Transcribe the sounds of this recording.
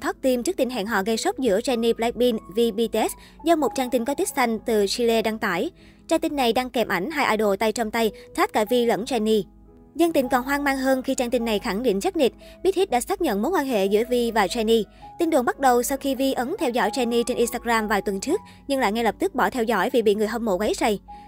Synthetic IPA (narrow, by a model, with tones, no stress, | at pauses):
t̪ʰɔː˦˥t̚t̪i˧mt͡ɕɨ˦˥k̚t̪ï˧ŋ̟ɦa̰ː˧˨ŋɦɔ̰˧˨ɣə˧jsk͡p̚zɨ̰˧˥ət͡ɕɛ˧ni˧pla˦˥k̚ɓi˧nvi˧ɓi˧t̪ɛ˦˥t | zə˧wŋ͡mmo˨˩t̚t͡ɕaː˧nt̪ï˧ŋkɔ˨˦t̪i˦˥k̚t̪ʰa˧jŋ̟t̪ɨ˨˩si˧le˧ɗaː˧ŋt̪a̰ː˧˩j | t͡ɕaː˧nt̪ï˧ŋːa˨˩jɗaː˧ŋkɛ˨˩mʔa˧˩jŋ̟ɦaː˧jʔaː˧jɗo̰˧˨t̪a˧jt͡ɕɔ˧wŋ͡mt̪a˧jt̪ʰaː˦˥t̚ka̰ː˧˩vi˧lə̰˧˥nt͡ɕa˧ni˧ | zə˧nt̪ï˧ŋ̟kɔ˨˩nɦwaː˧ŋmaː˧ŋɦəː˧nxi˧t͡ɕaː˧ŋt̪ï˧ŋ̟na˨˩jxa˧˩ŋɗḭ˧˨n̟saː˦˥k̚ɲi˨˩t̚ | ɓi˦˥t̚hi˦˥t̚ɗa̰ː˧˥saː˦˥k̚ɲə̰˧˨nmo˨˦nkwaː˧nhɦḛ˧˨zɨ̰˧˥əvi˧vaː˨˩t͡ɕa˧ni˧t̪i˧nɗɨ˨˩əŋ͡mɓa˦˥t̚ɗə˨˩wsa˧wxi˧vi˧ʔə˨˦nt̪ʰɛ˧wzɔ̰˧˥jt͡ɕa˧ni˧t͡ɕe˧nʔi˧nst̪aː˧ɣzaː˧mvaː˨˩jt̪wə˨˩nt͡ɕɨ˦˥ək̚ | ɲɨ˧ŋla̰ː˧˨jŋɛ˧lə˨˩p̚t̪ɨ˦˥k̚ɓɔ˧˩t̪ʰɛ˧wzɔ̰˧˥jvḭ˨˩ɓḭ˧˨ŋɨ˨˩əjɦə˧mo̰˧˨˩ɣa˨˦˥t̚sa˧˩j